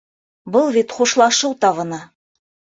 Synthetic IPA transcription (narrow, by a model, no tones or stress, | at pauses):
bɤlˠβit̪χuʃlˠɑʃɤwt̪ɑvɤ̆nɑ